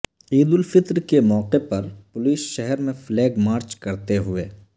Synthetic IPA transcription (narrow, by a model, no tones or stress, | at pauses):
iːd̪ʊlfɪt̪ɾkemɔːqepɐɾpʊliːsʃɛɦɛɾmẽfʰlɛːɡmaːɾt͡ʃkɐɾt̪eɦʊeː